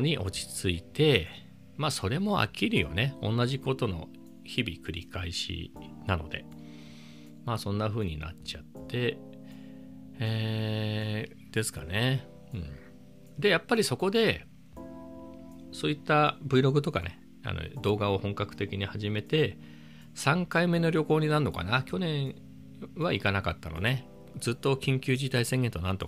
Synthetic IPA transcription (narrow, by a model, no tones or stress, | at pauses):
ɲ̟iʔo̞t͡ɕi̥t͡sɨit̪e̞ | maːso̞ɾe̞mo̞a̰kʲʰːiɾɯ̟jo̞̰ne̞õ̞nːaʑiko̞t̪o̞no̞̰ | çibʲikɯ̟ɾʲḭkaiɕḭnano̞̰d̪e̞̰ | maːsõ̞nːaɸɯ̟ːɲ̟ina̰t͡ɕat̪ːe̞ | eː | d̪̥e̞sɨ̥ka̰ne̞ | ɯ̟̃ɴ | d̪e̞japːaɾʲiso̞ko̞d̪e̞ | so̞ːit̪ːabɯiɾo̞ɡɯ̟t̪o̞ka̰ne̞ | a̰no̰d̪o̞ːɡao̞hõ̞ŋkakɯ̟̥t̪e̞kʲiɲ̟ihaʑime̞t̪e̞ | sãŋkaime̞no̞ɾʲo̞ko̞ːɲ̟inaɯnːoka̰nakʲo̞nẽ̞ɰ̃ | βaikanakat̪ːa̰no̞̰ne̞ | d͡zɨt̪ːo̞kʲĩŋkʲɨːʑit̪aisẽ̞ŋɡẽ̞nt̪o̞nãnt̪o̞̰k